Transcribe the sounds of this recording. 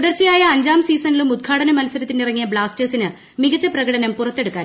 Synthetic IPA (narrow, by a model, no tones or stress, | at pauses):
uðɐrt͡ɕːijaːjɐːɲd͡ʑaːmsiːsɐnilumut̪̚kʰaːɽɐnɐmɐlɐsɐɾɐt̪ːindirɐŋːijɐbɭaːsteːsinɨ | miɡɐt͡ɕːɐprɐɣɐɽɐnɐmpurɐt̪ːe̞ɽukːaːn